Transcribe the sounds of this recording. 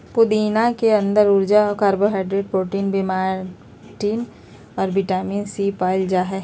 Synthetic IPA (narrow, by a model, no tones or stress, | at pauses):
pʊd̪iːnakeɐ̃nd̪əɾʊɾd͡ʒaɔɾkaːɾboɦaːɪɖɾeɖ̚pɾoːʈiːnbimaː | ʈiːn | ɔːɾbɪʈaːmiːnsipaːld͡ʒaɦɛː